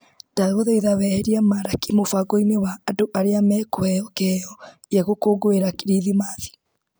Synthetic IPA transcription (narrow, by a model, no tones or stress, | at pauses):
d̥aɣoðɛiðawɛhɛɾiamaɾakimofaɡoinewaːdoʔaɾeamɛːkoɛɔkɛɔ | jaɣokoɡoeɾakiɾiðimaði̥